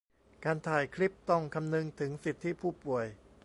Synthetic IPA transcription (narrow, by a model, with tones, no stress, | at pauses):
kaː˧nt̪ʰaː˨˩jkʰɾi˦˥p̚t̪ɔ˥˩ŋkʰa˧mnɯ˧ŋt̪ʰɯ˩˦ŋsi˨˩t̪ʰːiː˦˥˩pʰuː˥˩pu˨˩əj